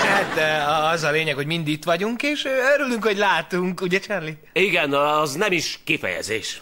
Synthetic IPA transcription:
hat̪ɛɒzɒleːɲɛkhoɟmind̪it̪ʋɒɟuŋkeːʃøɾylyŋkho̞ɟlaːt̪uŋkuɟɛt͡ʃɛrli | iɡɛnɛznɛmiʃkifɛ̰jɛ̰zḛːʃ

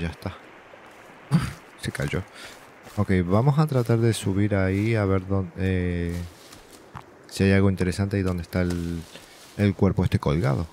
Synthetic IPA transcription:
ʝast̪a | u | se̞kaʝo̞ | oke̞jβamo̞sat̪ɾat̪aɾðe̞suβ̞iɾaiaβe̞ɾðone | siajalɣo̞int̪e̞ɾe̞sant̪e̞iðo̞nd̪e̞st̪ael | elkweɾpo̞est̪e̞ko̞lɣa̰ð̞o̞

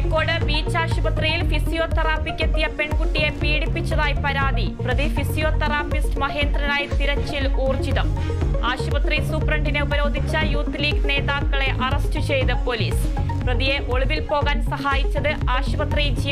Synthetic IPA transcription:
kːo̞ːɽɨbiːt͡ɕːaːɕubɐt̪rijilfisijo̞ːt̪ɐraːfikʲːɐt̪ːijɐpe̞ɳkuʈːije̞piːɽipːit͡ɕːɐðaːjipɐɾaːðiprɐðifisijoːt̪ɐraːpistɨmɐɦe̞ːnd̪rɐnaːjɐt̪iɾɐt͡ɕːiluːrt͡ɕiðɐm | aːɕubɐt̪risuːprɐɳɖineubɐɾo̞ːd̪ʱit͡ɕːɐjuːt̪liːkne̞ːðaːkːɐɭe̞ʔɐrɐstɨt͡ɕe̞jt̪ɐpo̞liːs | prɐðije̞ʔo̞ɭuʋilpo̞ːɣaːnsɐɦaːjit͡ɕːɐðɨaːɕubɐt̪rid͡ʑij

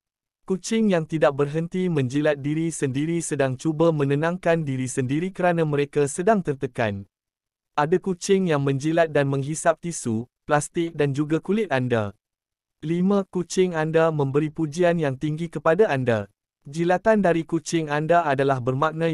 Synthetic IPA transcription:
kut͡ʃɪŋjaŋt̪idak̚bərɦənt̪imə̃ɲd͡ʒilat̪̚diɾisəndiɾisədaŋt͡ʃubamə̃nə̃nãŋkandiɾisəndiɾikəɾanãmə̃ɾekasədaŋt̪ərt̪əka̰n | ʔadakut͡ʃɪŋjaŋmə̃ɲd͡ʒilat̪̚danmə̃ŋɦisap̚t̪isuplast̪ɪk̚dand͡ʒuɡakulɪt̪̚anda̰ | limãkut͡ʃɪŋandamə̃mbəɾipud͡ʒianjaŋt̪iŋɡikəpadaanda | d͡ʒilat̪andaɾikut͡ʃɪŋandaadalahbərmãk̚nã

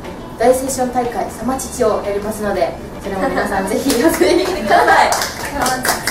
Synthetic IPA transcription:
d̪̥aise̞ːɕõ̞nt̪aikaisamat͡ɕi̥t͡ɕio̞jaɾʲimasɨno̞d̪e̞ | soɾe̞momʲinasãnd͡ze̞çijosɾʲimʲikʲit̪ekɯ̟d̪asai

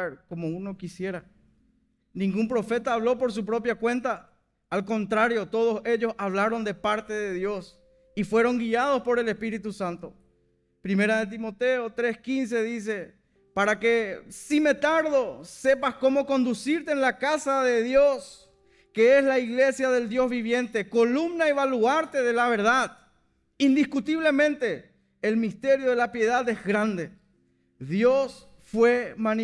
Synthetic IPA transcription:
ɾkomouno̞kisje̞ɾa | nĩŋɡumpɾo̞fe̞t̪aːβlo̞po̞ɾs̬upɾo̞pjakwẽ̞nt̪aː | lko̞nt̪ɾaɾjo̞t̪o̞ðo̞se̞ʎo̞saβlaɾo̞nd̪e̞paɾt̪e̞ðe̞ðjo̞s | ifwe̞ɾo̞ŋɡiað̞o̞spo̞ɾe̞lespiɾit̪usant̪o̞ | pɾime̞ɾaðe̞t̪̬imo̞t̪eot̪ɾe̞skins̬e̞ðis̬e̞ | paɾake̞sime̞t̪aɾðose̞pasko̞mo̞ko̞nd̪usiɾt̪eːnlakasaðe̞ðjos | keeslaiɣle̞sjaðe̞ld̪jo̞zβiβ̞jẽ̞nt̪e̞ko̞lumnaeβaluaɾt̪eðelaβ̞e̞ɾðað | ind̪iskut̪iβle̞mẽ̞nt̪e̞ː | lmist̪e̞ɾjo̞ðelapje̞ðaðezɣɾand̪e | ðjos | fwe̞mani

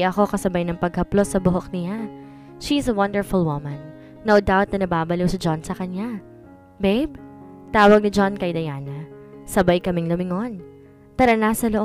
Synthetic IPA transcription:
ʔɐko̞kɐsɐbajnɐŋpɐɡ̚hɐplo̞sːɐbʊɦok̚nɪja | ʃiɪsɐwɐnd̪ɛɹfʊlˠwʊmɐ̃nː | owd̪awt̪̚nɐnɐbaːbɐlɪwsɪd͡ʒonsɐkɐɲa | bejb̚t̪aːwɐɡ̚nɪd͡ʒonkɐjd̪ɐjaːnɐsɐbajkɐmɪŋlʊmɪŋon | t̪ɐɾɐnasɐloʔ

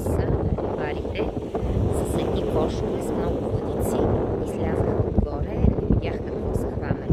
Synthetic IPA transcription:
səɐbvaɾit̪ɛ | zɐsɛd̪nʲikɔʃkʲizmnɔɡʊvlˠɐd̪it̪siizlʲazəxəod̪ɡɔɾɛibʲjaxt̪ɐmozɐxvanəli

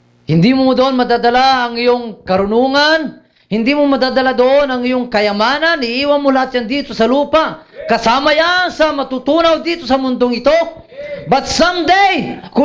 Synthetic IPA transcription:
hɪnd̪iːmʊmʊd̪oʔonmɐd̪ad̪ɐlaɐŋɪjoŋkɐɾʊnuːŋan | hɪnd̪iːmʊmɐd̪ad̪ɐlad̪oʔonɐŋɪjoŋkɐjɐmaːnanɪʔiːwanmolɐhat̪̚jand̪iːt̪osɐluːpa | kɐsaːmɐjaŋsɐmɐt̪ut̪uːnawd̪iːt̪osɐmʊnd̪oŋɪt̪o̞ | bat̪samd̪ɛjkʊ

